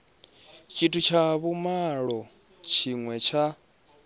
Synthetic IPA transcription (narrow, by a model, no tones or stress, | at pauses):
t͡ʃʰʼitʰut͡ʃʰaβumaɺɔ | t͡ʃʰiŋwɛt͡ʃʰa